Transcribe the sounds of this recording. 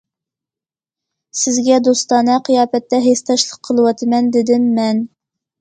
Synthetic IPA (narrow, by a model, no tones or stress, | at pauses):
sɪzɡʲɛd̪ost̪ɑnɨqʰijɑːpɛt̪ːɛɦest̪ʰɑʃlˠəqʰːəlˠəwɑt̪ʰɨmɛnd̪ɪd̪ɪmːɛn